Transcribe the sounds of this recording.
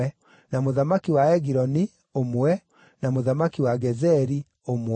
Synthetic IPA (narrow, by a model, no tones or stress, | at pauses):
ɛ | namoðamakiwaɛɡiɾɔni | omwɛ | namoðamakiwaɡɛzɛɾi | om